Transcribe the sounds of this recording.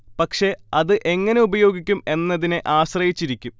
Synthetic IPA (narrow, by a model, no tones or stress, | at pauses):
pɐkʂe̞ɐðɨʔe̞ŋːɐne̞ubɐjo̞ːɡikʲːume̞nːɐðineʔaːɕrɐjit͡ɕːiɾikʲːum